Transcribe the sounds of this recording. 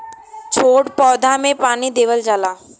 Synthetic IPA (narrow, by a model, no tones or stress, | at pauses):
t͡ʃʰoːʈpɔːd̪ʱamẽpaːnid̪eːʋəld͡ʒaːlaː